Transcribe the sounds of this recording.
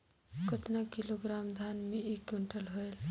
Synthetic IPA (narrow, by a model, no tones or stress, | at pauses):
kət̪nakiloɡɾamd̪ʱanmeekuɳʈəlɦoel